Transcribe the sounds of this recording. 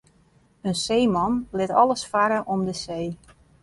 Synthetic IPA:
ənsejmɑnlɪtɔlˠəsfaɾəʔɔmdəseː

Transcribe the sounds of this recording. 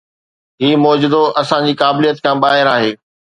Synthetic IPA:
ɦiːmɔːd͡ʑʊd̪oʔɐsãɲd͡ʑiːkaːbɪlijət̪kʰãːbaːɦɪɾaːɦeː

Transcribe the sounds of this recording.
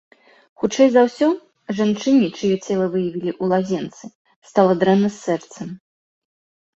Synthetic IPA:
xut͡ʂɛjzawsʲɔ | ʐant͡ʂɨnʲit͡ʂɨjɔt͡sʲɛlˠɐvɨjɐvʲilʲiʔulˠazʲɛnt̪sɨ | st̪alˠɐd̪ɾɛnɐsʲːɛrt̪sɐm

